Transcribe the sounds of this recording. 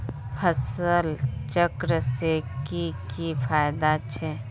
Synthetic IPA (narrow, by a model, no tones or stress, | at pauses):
pʰəsəlt͡ʃəkɾəsekikipʰaːjd̪at͡ʃʰɛ